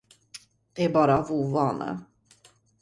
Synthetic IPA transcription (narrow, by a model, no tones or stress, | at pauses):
d̪̥ɛæɾbɑːɾavuːvɑːnʔə̰